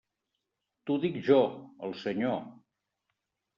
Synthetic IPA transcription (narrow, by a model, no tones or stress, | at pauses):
t̪uðikʒɔəlˠsəɲo